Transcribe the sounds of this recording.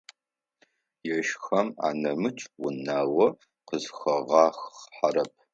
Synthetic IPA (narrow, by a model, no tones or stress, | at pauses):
jɛʃxɐma̰ːnɐmɨt͡ʃʼwʊnaːwɐ | qəzxɐʁɑːxħaɾɐp̚ʰ